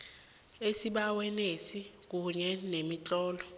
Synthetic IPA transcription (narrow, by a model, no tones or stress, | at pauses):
esiɓawɛnesik̬ʼuɲɛnemit͡ɬʼɔːlɔ